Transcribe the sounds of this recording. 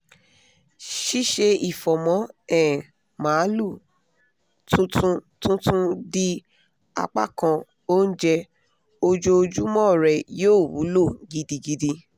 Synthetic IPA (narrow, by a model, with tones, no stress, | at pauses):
ʃi˦ʃe˧i˨fɔ˨mɔ̃˨˦ɛ˦˨ | mãː˨˦lu˦˨ | tũ˦tũ˦tũ˦tũ˦di˦ | a̰˧k͡pa̰˦˨kã˧ | o˦n̩˦d͡ʒɛ˧ | o˧d͡ʒo˧˦˧d͡ʒu˦mɔ̃˦˨ɾɛ˨joː˦˨wṵ˨˦lo˦˨ɡi˧di˧ɡi˧di˧